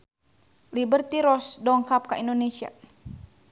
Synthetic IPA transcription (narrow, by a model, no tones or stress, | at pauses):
libərt̪iɾɔsdɔŋkap̚kaindonesia̰